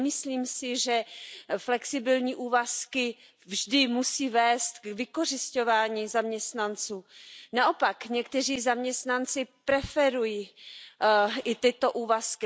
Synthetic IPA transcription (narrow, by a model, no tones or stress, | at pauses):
mɪsliːmsɪʒɛflɛksɪbɪlɲiːʔuːvaskɪ | vʒdɪmusiːvɛːst̪kvɪko̞r̝ɪsco̞vaːɲiːzamɲɛst̪nant͡suːnaʔo̞pakɲɛkt̪ɛriːzamɲɛst̪nant͡sɪpɾɛfɛɾuji | ʔɪt̪ɪt̪o̞ʔuːvaskɪ